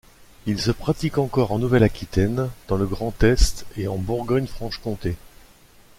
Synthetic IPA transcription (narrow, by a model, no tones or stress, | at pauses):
ilsəpχat̪ikɑ̃kɔʁɑ̃nuvɛlakʲit̪ɛnd̪̥ɑ̃ləɡʁɑ̃t̪ɛst̪eɑ̃buʁɡɔɲfχɑ̃ʃkɔ̃t̪e